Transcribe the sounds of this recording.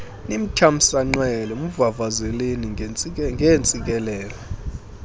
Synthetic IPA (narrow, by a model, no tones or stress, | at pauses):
nim̩tʰam̩saŋ͡ǃwɛlɛmuvavazɛleniŋɡʱent͡sʼik̬ʼɛlɛːlɔ